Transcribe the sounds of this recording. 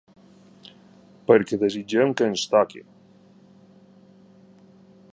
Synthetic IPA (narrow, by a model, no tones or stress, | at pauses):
pəɾkeðezid͡ʒemkeːnst̪akḭ